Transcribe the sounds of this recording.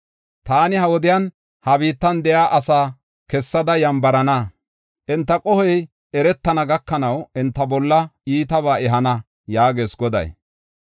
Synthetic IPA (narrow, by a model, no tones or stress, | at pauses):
t̪aːnɪhɐwɔd̪ɪjan | hɐbiːt̪ːɐnd̪ɛjaːʔɐsaː | kɛsːɐd̪ɐjɐmbɐɾɐnɐ | ʔɪnt̪ːɐkʼɔhɛj | ɛɾɛt̪ːɐnɐɡɐkːɐnɐwɪnt̪ːɐbɔlːɐiːt̪ɐβaːɛɦɐnɐ | jaːɡe̞ːsɡɔd̪ɐ̰j